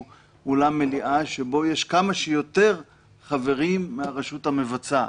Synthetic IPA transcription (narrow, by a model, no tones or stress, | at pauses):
ulamːeliʔaʃebo̞jeʃkamaʃejo̞t̪e̞ʁ | χave̞ʁimːeaʁeʃut̪hame̞vat͡sa